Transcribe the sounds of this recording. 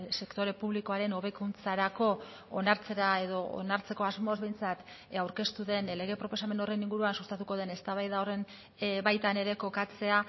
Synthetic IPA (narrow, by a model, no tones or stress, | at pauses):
se̞kt̪o̞ɾe̞puβliko̞aɾe̞no̞βe̞kunt͡saɾako̞ | onaɾt͡se̞ɾae̞ðo̞o̰naɾt͡se̞ko̞azmo̞zβe̞jnt͡sat̪ | awɾke̞st̪uðe̞nle̞ɣ̞e̞pɾo̞po̞same̞no̞re̞niŋɡuɾuansust̪at̪uko̞ð̞e̞ne̞st̪aβajðaore̞n | βajt̪ane̞ɾe̞ko̞kat͡se̞a